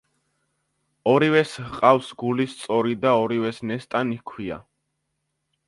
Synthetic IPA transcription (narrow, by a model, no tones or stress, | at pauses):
ɔɾiwɛshqʼawsɡulist̪sʼɔɾid̪aɔɾivɛsnɛst̪ʼanikʰwia̰